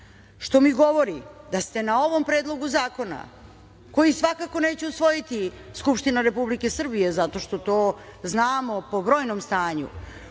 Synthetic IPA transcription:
ʃt̪o̞miɡo̞ʋo̞ɾid̪ast̪e̞nao̞ʋo̞mpɾeːd̪lˠo̞ɡuzaːko̞na̰ | ko̞jisʋakako̞ne̞ːt͡ɕeusʋo̞jit̪iskupʃt̪inaɾe̞publike̞sr̩bije̞zat̪o̞ʃt̪o̞t̪o̞ːznaːmo̞po̞bɾo̞ːjnomst̪aːɲṵ

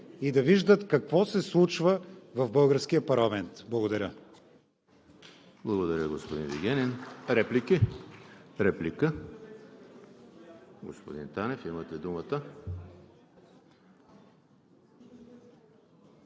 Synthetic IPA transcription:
id̪ɐviʒd̪ət̪kɐkvɔsɛslˠut͡ʃvəvɐvbɤlˠɡəɾsk̟ijəpɐɾlˠɐmɛnt̪blˠɐɡod̪ɐɾʲə | blˠɐɡod̪ɐɾʲəɡospod̪invḭɡʲɛnʲinɾɛpliki | ɾɛplikə | ɡospod̪int̪anɛfimət̪ɛd̪umət̪ə

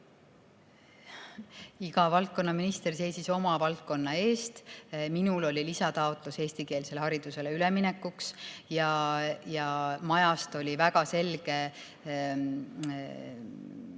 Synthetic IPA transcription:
iɡ̥ɑvɑlt̪̚ko̞nːɑminist̪e̞rse̞jsiso̞mɑvɑlt̪̚ko̞nːɑe̞ːst̪minulo̞lʲilisɑt̪ɑo̞t̪ˑluse̞ːst̪ike̞ːlse̞lhɑɾid̪̥use̞leylemine̞kːˑuksjɑjɑmɑjɑst̪o̞lʲivækɑse̞lɡ̥e̞

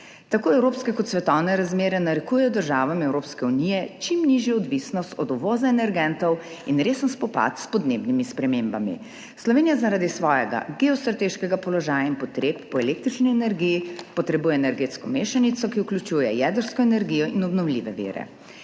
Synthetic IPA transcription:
t̪akoːɛwɾopskɛkɔt̪sʋɛt̪ɔwnɛɾazmeːɾɛnaɾɛkuːjɛjɔd̪əɾʒaːʋamɛwɾoːpskɛunijɛt͡ʃimniʒjɔɔd̪ʋisnɔst̪ɔd̪uʋɔːzaɛnɛɾɡɛnt̪ɔw | inɾeːsənspɔpa̰t̪spɔd̪neːbnimispɾɛmembamḭ | slɔʋeːnijazaɾaːd̪isʋɔːjɛɡa̰ɡɛɔst̪ɾat̪eʃkɛɡapɔlɔʒaːjainpɔt̪ɾeːp̚ːɔɛlek̚t̪ɾit͡ʃniɛnɛɾɡijipɔt̪ɾɛbuːjɛɛnɛɾɡeːt̪skɔmeːʃanit̪sɔkiuklʲut͡ʃuːjɛjɛd̪əɾskɔɛnɛɾɡijɔʔinɔbnɔwliʋɛʋḭːɾɛ̰

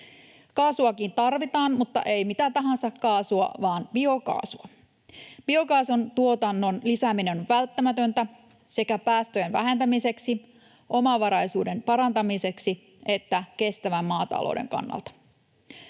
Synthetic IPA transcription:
kɑːsuɑkint̪ɑrʋit̪ɑːnmut̪ːɑ̰ʔe̞jmit̪æt̪ɑɦɑnsɑkkɑːsuɑ̰ʋɑːnbio̞kɑ̰ːsuɑ | b̥io̞kɑːsont̪uo̞t̪ɑnːo̞nlisæmineʋælt̪ːæmæt̪ønt̪æ | se̞kæpæːst̪øjenʋæ̰ɦe̞nt̪æmise̞ksi | o̞mɑʋɑɾɑjsuːde̞npɑɾɑnt̪ɑmise̞ksi | e̞t̪ːæke̞st̪æʋæmmɑːt̪ɑ̰lʔo̰wde̞̰ŋkɑ̰nːɑ̰lt̪ɑ̥

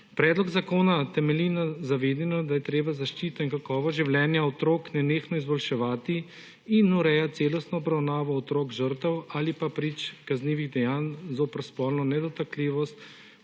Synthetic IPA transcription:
pɾɛːd̪lɔɡzakoːnat̪ɛmɛlinazaʋeːd̪ɛnɔd̪ajɛt̪ɾeːbazaʃt͡ʃit̪ɔiŋkakɔːʋɔʒiwlʲjɛːnjaɔt̪ɾoːknɛneːxnɔizbɔlʃɛʋaːt̪i | inuɾɛjat̪seːlɔst̪nɔːbɾawnaːʋɔːt̪ɾoːɡʒəɾt̪ɛwalipapɾit͡ʃkazniːʋiɣd̪ɛjaːnzopɾspɔːlnɔnɛd̪ɔt̪akliʋɔst̪

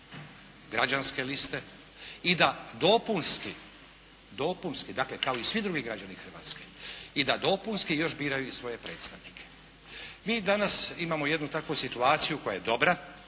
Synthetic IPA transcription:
ɡɾad͡ʒanske̞list̪e̞ | id̪ad̪o̞punski | d̪o̞punskid̪akle̞kao̞isʋid̪ɾuɡiɡɾad͡ʒanixr̩ʋa̰ːt̪skeid̪ad̪o̞punskijo̞ʃbiːɾajuisʋo̞je̞pɾe̞ːt̪st̪aʋnikʰe̥ | miːd̪anasimamo̞je̞d̪nut̪akʋosit̪uaːt̪sijuko̞jaje̞d̪o̞bɾa

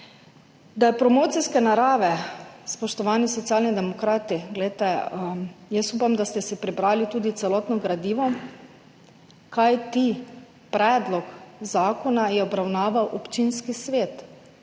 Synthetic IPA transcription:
d̪ajpɾɔmoːt̪siskɛnaɾaːʋɛspɔʃt̪ɔʋaːnisɔt̪sijaːlnid̪ɛmɔkɾaːt̪iɡlɛjt̪ɛ | jəsuːpamd̪ast̪ɛsɛpɾibɾaːlit̪uːd̪it̪sɛlɔːt̪nɔɡɾad̪iːʋɔ | kajt̪i | pɾɛːd̪lɔkzaːkɔnajɛɔbɾawnaːʋawʔɔpt͡ʃinskisʋeːt̪

